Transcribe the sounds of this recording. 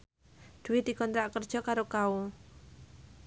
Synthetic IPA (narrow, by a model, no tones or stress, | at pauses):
d̪̥ṳwɪd̪̥i̤kɔnt̪ɾaʔkərd̥ʒ̥ɔ̤kaɾokau